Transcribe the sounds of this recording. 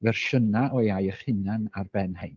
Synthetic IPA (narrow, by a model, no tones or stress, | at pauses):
vɛrʃənaʔɔjajəχɪnanarbɛnhaj